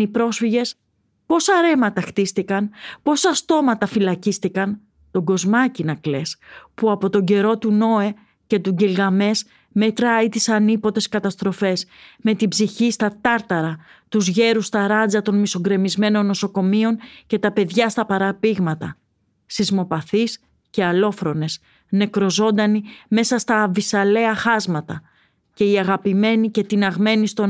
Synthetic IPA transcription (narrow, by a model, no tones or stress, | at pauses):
ipɾo̞sfiʝe̞s | po̞sɐɾe̞mɐt̪ɐxt̪ist̪ikɐnpo̞sɐst̪o̞mɐt̪ɐfilɐcist̪ikɐn | t̪o̞ɡo̞zmɐcinɐkle̞spuɐpo̞t̪o̞ɲɟe̞ɾo̞t̪uno̞e̞ | ce̞t̪uɟilɣɐme̞s | me̞t̪ɾɐit̪isɐnipo̞t̪e̞skɐt̪ɐst̪ɾo̞fe̞sme̞t̪ibziçist̪ɐt̪ɐɾt̪ɐɾɐ | t̪uzʝe̞ɾust̪ɐɾɐd͡zɐt̪o̞nmiso̞ɡɾe̞mizme̞no̞nːo̞so̞ko̞mio̞nce̞t̪ɐpe̞ðʝɐst̪ɐpɐɾɐpiɣmɐt̪ɐ | sizmo̞pɐθis | ce̞ɐlo̞fɾo̞ne̞s | ne̞kɾo̞zo̞nd̪ɐnime̞sɐst̪ɐːvisɐle̞ɐxɐzmɐt̪ɐ | ce̞iɐɣɐpime̞nice̞t̪inɐɣme̞nist̪o